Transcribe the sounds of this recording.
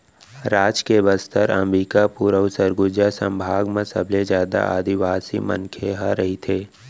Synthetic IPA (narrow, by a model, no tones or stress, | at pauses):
ɾaːd͡ʒkebəst̪əɾə̰mɾiːkapuːɾəʊsəɾɡʊd͡ʒasə̃mbʱaːɡmẽsəblezjaːd̪a̰ʔa̰ːd̪iʋaːsḭmə̰nkʰeɦaɾɐɦit̪ʰeː